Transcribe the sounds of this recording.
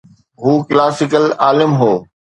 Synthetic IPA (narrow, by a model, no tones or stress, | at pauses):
ɦuːkɪlaːsɪkəlaːlɪmɦoː